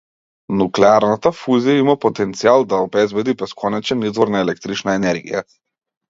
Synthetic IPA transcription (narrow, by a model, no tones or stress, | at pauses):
nuklɛaɾnat̪afuzijaimapɔt̪ɛnt̪sialˠd̪aɔbɛzbɛd̪ibɛskʰɔnɛt͡ʃɛnizvɔɾnaɛlɛk̚t̪ɾit͡ʃnaɛnɛɾɡḭja